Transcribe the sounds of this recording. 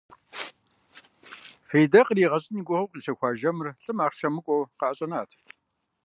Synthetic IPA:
feːjdɐqriːʁɐɕʼɪniːɡʷʊχɐwqʼiːɕʰɐxʷɑːʒɐmɨrɬʼɨmaːχʃɐmɨkʷʼowqɑʔɐɕʼɐnaːtʰ

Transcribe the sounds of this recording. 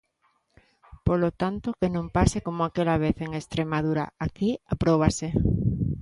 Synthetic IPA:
polot̪ant̪okenõmpasekomoakelaβ̞eθeŋest̪ɾemaðuɾa̰akiapɾoβ̞ase

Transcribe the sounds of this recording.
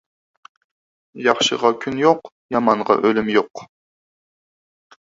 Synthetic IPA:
jɑχʃə̰ʁɑkʲʰynjoq | jɑmɑɴʁɑ̰ʔølymjoq

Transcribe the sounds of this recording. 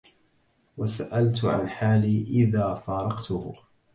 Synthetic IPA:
wasaʔalt̪ʕa̰nħaːliːʔɪðaːfɑːɾˤɑqt̪ʊh

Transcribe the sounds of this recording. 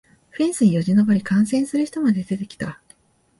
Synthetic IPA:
ɸĩɰ̃sɨɲijo̞ʑino̞baɾʲikãɰ̃sẽ̞ɰ̃sɨɾɯ̟çi̥t̪o̞mad̪e̞d̪e̞t̪e̞kʲi̥t̪a

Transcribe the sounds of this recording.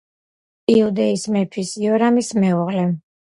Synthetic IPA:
iud̪ɛismɛpʰisiɔɾamismɛuʁlɛ

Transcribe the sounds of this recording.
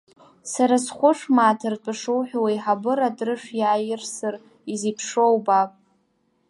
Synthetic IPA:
saɾasχʷʊʂmaːtʰɨrtʼaʂɨwħʷᶣwajħabɨɾadʼrɨʂjaːjɪrsɨr | izipʰʂowbakʼ

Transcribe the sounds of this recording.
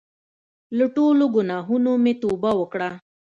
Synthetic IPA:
ləʈoloɡʊnaɦunomet̪obawəkɽa

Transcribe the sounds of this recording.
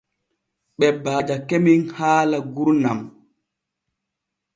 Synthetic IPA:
ɓɛbaːd͡ʒakemiŋhaːlaɡuɾnam

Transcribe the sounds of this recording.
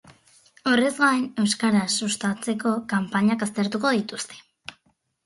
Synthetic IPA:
o̞re̞zɣaene̞wskaɾasust̪at͡se̞ko̞kampaɲakast̪e̞ɾt̪uko̞ðit̪ust̪e̥

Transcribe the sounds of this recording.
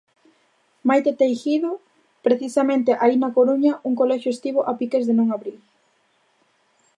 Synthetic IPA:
majt̪et̪ejxiðʊ | pɾeθisɐmẽnt̪eʔainɐkoɾuɲɐʔuŋkolɛʃjoest̪iβ̞oʔapikezðenõŋaβɾil

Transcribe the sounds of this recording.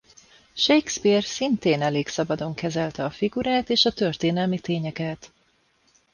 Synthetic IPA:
ʃejkspirsint̪eːnɛleːksɒbɒd̪o̞ŋkɛzɛlt̪ɛɒfiɡuɾaːt̪eːʃɒt̪ø̞rt̪eːnɛlmit̪eːɲɛkɛt̪

